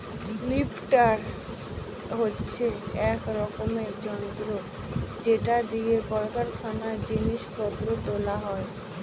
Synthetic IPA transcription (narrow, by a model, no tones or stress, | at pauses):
lipʰʈaɾ | ɦotːɕʰeɛkɾɔkomeɾd͡ʑɔnd̪ɾo | d͡ʑeʈad̪iɡekɔlkaɾkʰanad͡ʑiniʃpɔd̪ɾot̪olaɦɔe